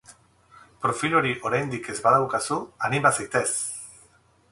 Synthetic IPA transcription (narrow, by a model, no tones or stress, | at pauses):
pɾofiʎoɾiʔoɾend̪ikezβaðawkasuanimasekt̪es